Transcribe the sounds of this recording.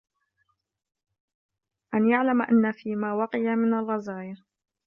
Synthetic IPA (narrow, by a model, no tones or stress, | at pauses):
ʔanjaʕlamʔa̰nːafiːmaːwɑqɪjamɪnalɣazaːjɪɾ